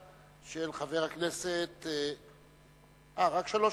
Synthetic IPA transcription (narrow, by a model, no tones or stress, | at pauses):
ʃelχaveʁhakneset̪ | ʔaʁakʃalo